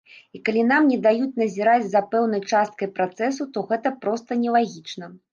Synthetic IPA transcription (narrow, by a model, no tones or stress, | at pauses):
ikalʲin̪amnʲɛd̪ajut͡sʲn̪ɐzʲiɾad͡zʲzɐpɛwn̪ɐjt͡ʂast̪̚kɐjpɾat̪sɛsut̪ɔɣɛt̪ɐpɾɔst̪ɐnʲɛlˠaɣʲit͡ʂnɐ